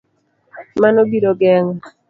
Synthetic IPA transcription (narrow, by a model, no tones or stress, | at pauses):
manobiɾoɡɛŋ